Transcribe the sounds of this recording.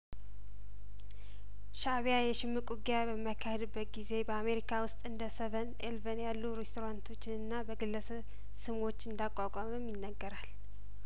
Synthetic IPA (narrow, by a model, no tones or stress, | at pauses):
ʃaβijajɛʃɪmːɨkʼuɡjabəmːakʰːahed̪ɨbːət̪̚ɡize̞bəame̞ɾikʰawʊst̪ʼɨnd̪əsəβən | elvənjalːuɾest̪ʰoɾant̪ʰo̞t͡ʃːɪnɨnːabəɡɨlːəsəβ | sɨmwo̞t͡ʃːɨnd̪akʼakʼaməmjɪnːəɡːəɾal